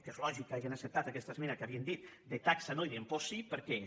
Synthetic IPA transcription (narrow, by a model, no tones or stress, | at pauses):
kezolɔʒikːaʒenasep̚t̪at̪akɛst̪asmɛnakaβiend̪it̪ | d̪et̪aksanojðemposipəɾkɛ